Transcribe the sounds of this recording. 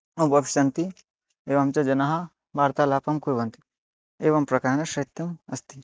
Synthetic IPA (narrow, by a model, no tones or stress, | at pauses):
ɐbɐbʃɐnt̪i | eːʋɐmt͡ʃɐd͡ʒɐnaɦɐ | baːɾt̪aːlaːpɐmkoiʋɐnt̪i̥ | eːʋɐmpɾɐkaːɾnɐʃɐit̪ːɐmɐst̪i